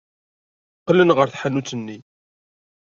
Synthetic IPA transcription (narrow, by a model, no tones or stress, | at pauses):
qːlənʁəɾθħanut͡sːənːi